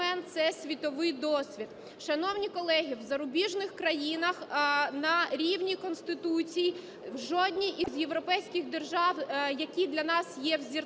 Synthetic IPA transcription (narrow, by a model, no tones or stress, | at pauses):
ɛnt̪sɛsʲʋʲit̪ɔʋɪjd̪ɔsʲʋʲid̪ | ʃɐnɔwnʲikɔlˠɛɦʲiwzɐɾʊbʲiʒnɪxkɾɐjinɐxnɐɾʲiwnʲikɔnst̪ɪt̪ut͡sʲiji | wʒɔd̪ʲnʲiʔizjewɾɔpɛjsʲkʲɪɣd̪erʒɑwjɐkʲid̪lʲɐnɑsjɛwzʲir